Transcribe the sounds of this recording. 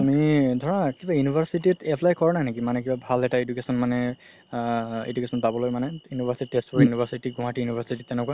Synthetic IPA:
amidʱɔɹakibajunibʱaɹsititɛpʰlajkɔɹɔnajnekimanɛkibabʱalɛtaedukesɔnmanɛ | ḛdukɛsɔnpabɔlojmanɛjunibʱasititespɔɹjunibʱaɹsitiɡũɦãtijunibʱaɹsititːɛ̃nɛkua

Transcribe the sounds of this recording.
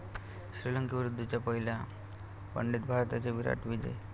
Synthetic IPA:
ɕɾiləŋkəʋiɾud̪ʱːət͡ɕjapəɦila | pə̰ɳɖit̪̚bʱaɾt̪at͡ɕeʋiɾa̰ʈʋid͡ʑə̰

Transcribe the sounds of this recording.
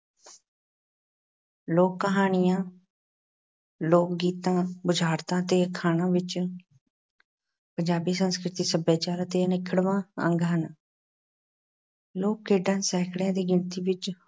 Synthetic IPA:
loːkːəɦaːɳɪjãː | loːkɡiːt̪ãːbʊd͡ʒʱaːɾt̪ãːt̪eːəkʰːaːñãːʋɪt͡ʃ | pəɲd͡ʒaːbiːsənskɾɪt̪iːsəbeːt͡ʃaːɾt̪eːnɪkʰəɽʋãːə̰̃ŋɡɦən | loːkːeːɖãːsɛːkʰɽãːd̪iːɡɪlt̪iːʋɪt͡ʃ

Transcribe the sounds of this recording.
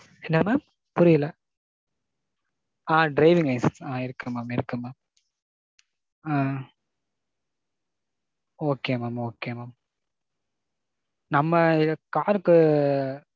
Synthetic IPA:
ɛnːɐmaːm | pʊɾɪjɐlɐ | ãːɖɾɐɪʋɪŋɡɐɪssãːɪɾɯkːɯmaːmɪɾɯkːɯmːaːm | aː | oːkeːmaːmoːkeːmaːm | nɐmːɐɪkaːɾɯkːɯ

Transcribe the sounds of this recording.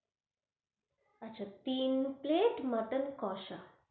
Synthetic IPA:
ɐt͡ʃat̪iːnpleːʈməʈənkɔʃa

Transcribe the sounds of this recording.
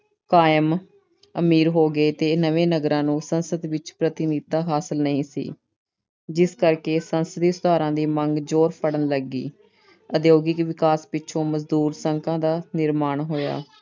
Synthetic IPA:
kaːjəm | əmiːɾɦoːɡeːt̪eːnəʋẽːnəɡɾãːnũːsənsəd̪ʋɪt͡ʃpɾət̪ɪnit̪̚ːaːɦaːsəlnəĩːsḭː | d͡ʒɪskəɾkeːsənsəd̪iːsʊd̪aːɾãːd̪iːməŋɡd͡ʒoːɾpʰəɽənləɡḭː | əd̪joːɡɪkʋɪkaːspɪːʃʰõːməzd̪uːɾsəŋkʰãːd̪aːnɪɾmaːɳɦoːja̰ː

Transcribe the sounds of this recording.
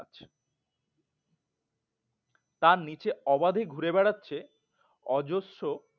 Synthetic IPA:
t͡ɕʰ | t̪aɾnit͡ɕeɔbad̪ʱeɡʱuɾebɛɽatːɕʰe | ɔd͡ʑoʃːo

